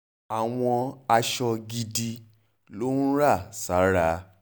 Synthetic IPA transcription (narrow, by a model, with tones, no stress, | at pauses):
a˨w̃ɔ̃˧a˧ʃɔ˧ɡi˧di˧ | lo˦n̩˦ɾa˦˨sa˨˦ɾa˦